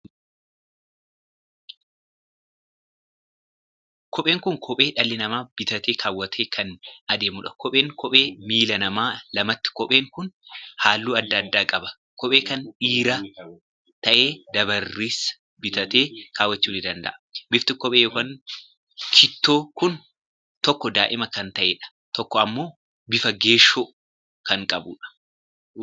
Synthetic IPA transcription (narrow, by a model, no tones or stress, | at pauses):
kʰɔpʼe̞ːŋkʊŋkʰɔpʼe̞ːᶑɐlːɪnɐmaːb̥ɪt̪ɐt̪eːkʰaːwːɐt̪ʰeːkʰɐnɐd̪e̞ːmʊᶑɐ̥kɔpʼe̞ːŋkʰɔpʼe̞ːmiːlɐnɐmaːlɐmɐt̪ːɪ̥kɔpʼe̞ːŋkʊnhaːlːuːɐd̪ːɐd̪ːaːkʼɐbɐ̥ | kɔpʼe̞ːkɐnᶑiːɾɐ | t̪ɐʔeːd̪ɐβɐrːiːs | bɪt̪ɐt̪eːkʰaːwːɐt͡ʃːuːnɪd̪ɐnd̪ɐ̰ʔɐ̥bɪft̪ɪkɔpʼeːjɔkɐŋ | kʰɪt̪ːoːkʊn | t̪ɔkːɔd̪aːʔɪmɐkɐnt̪ɐʔeːᶑɐ̥ | t̪ɔkːɔɐmːo̞ː | bɪfɐɡe̞ːʃːoː | kɐŋkʼɐbʊᶑɐ̥